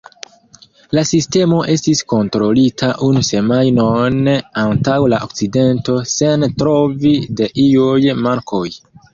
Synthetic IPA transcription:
lasiste̞mo̞ʔe̞stisko̞ntɾo̞litʰaʔunuse̞majnonantawlaʔo̰k̚t͡side̞nto̞se̞ntɾo̞vide̞ʔiujmaɾkʰo̞j

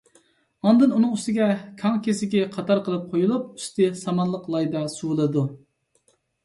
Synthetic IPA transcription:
ɑnd̪ɨnunɨŋyst̪ɪɡʲɛkʲʰɑŋkʲesɪɡʲɛqʰɑt̪ʰɑɾqəlˠɨp̚qʰojulˠup̚y̥st̪ɨsɑmɑnlˠəqlˠɑjd̪ɑsuwlˠɨd̪u

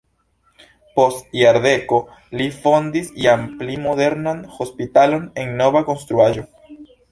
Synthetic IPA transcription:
po̞stjaɾde̞ko̞ | lifo̞nd̪isjamplimo̞ðe̞ɾnanho̞spit̪alo̞neŋno̞βako̞nst̪ɾuaʒo̞

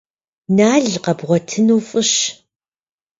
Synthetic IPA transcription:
naːɮqɐbʁʷɔtʰɨnuːfʼɨɕ

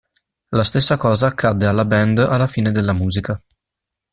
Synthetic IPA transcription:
last̪esːakɔːzaːkʰːad̪ːealːabɛnd̪alːafiːned̪elːamuːzika

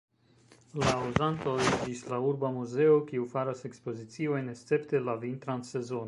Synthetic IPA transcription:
lauzant̪o̞ed͡ʒislauɾbamuze̞okiufaɾase̞kspo̞zit͡sio̞jne̞stt͡se̞pte̞lavint̪ɾanse̞zo̞no

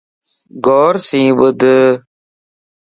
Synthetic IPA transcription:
ɡɔːɾsĩːwəd̪ə

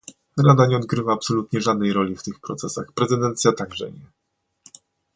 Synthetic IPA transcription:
ɾad̪aɲɛɔd̪ɡɾɘvaːpsɔlut̪ɲɛʐad̪̚nɛjɾɔlʲift̪ɘxpɾɔt̪sɛsa̰xpɾɛzɘd̪ɛnt̪sʲjat̪aɡʐɛ̰ɲɛ

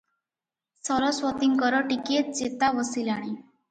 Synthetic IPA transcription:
st̪ʰəɾɔsʋɔt̪iŋkəɾɔʈiket̪̚d͡ʑet̪aʋəsilaɽ̃i

